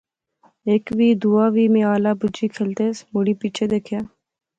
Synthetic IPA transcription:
eːkʋiːd̪uːaːʋiːmẽaːlabʊd͡ʒikʰeːlt̪emʊɽipiːt͡ʃʰed̪eːkʰjaː

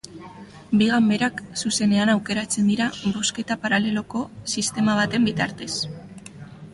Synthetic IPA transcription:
biɣambe̞ɾaksuse̞ne̞anawke̞ɾat͡se̞nd̪iɾaβo̞ske̞t̪apaɾale̞lo̞ko̞sist̪e̞maβ̞at̪e̞mbit̪aɾt̪e̞s

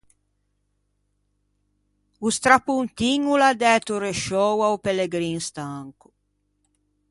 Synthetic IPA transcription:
ust̪ɾapunt̪iŋulad̪ɛːt̪uɾeʃɔwaupeleɡɾinst̪aŋku̥

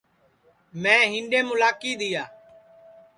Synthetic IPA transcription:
mɛ̃ːɦɪ̃ɳɖẽːmʊlaːkiːd̪ɪjaː

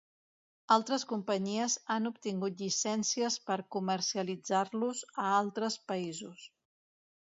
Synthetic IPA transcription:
alˠt̪ɾəskumpəɲiəzanup̚t̪iŋɡut̪̬ʎisɛnsiəspəɾkuməɾsiəlid͡zaɾluzəalˠt̪ɾəspəizus

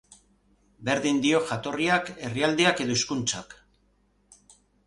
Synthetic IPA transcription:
be̞ɾðind̪io̞ʝat̪o̞riake̞riald̪eake̞ðoiskunt͡ʃak

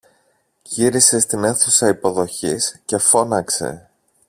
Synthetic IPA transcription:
ʝiɾise̞st̪ine̞θusɐipo̞ðo̞çisce̞fo̞nɐkse̞̰

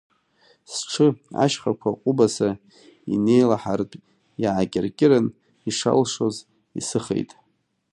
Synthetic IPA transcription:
sʈ͡ʂʰɨa̰ʃχakʷʰaqʼʊbasa | ḭne̞jlaħartʼ | jaʕakʲʼɪrkʲʼɪɾan | iʂa̰lʂo̞z | ḭsɨχḛjtʼ

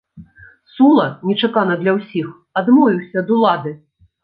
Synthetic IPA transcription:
sulˠɐnʲɛt͡ʂakanɐd̪lʲɐwsʲix | ad̪mɔvʲiwsʲɐːd̪ulˠad̪ɨ

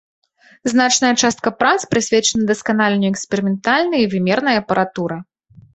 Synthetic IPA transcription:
znat͡ʂnɐjɐt͡ʂast̪̚kɐpɾat̪spɾɨsʲvʲɛt͡ʂɐnɐd̪ɐskanalʲɛnʲuɛksʲpʲɛɾɨmʲɛnt̪alʲnɨjɐivʲɨmʲɛrnɐjɐːpɐɾat̪uɾɐ

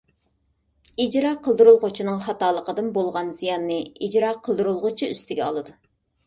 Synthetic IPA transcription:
id͡ʒɾɑqʰəlˠd̪ɨɾulˠʁʊt͡ʃʰinɨŋχɑt̪ɑːlˠəqəd̪ɨnbolˠʁɑnz̥ijɑnːɨid͡ʒɾɑqʰəlˠd̪uɾulˠʁʊt͡ʃʰiy̰st̪ʰɪɡʲɛɑ̰lˠɨd̪u

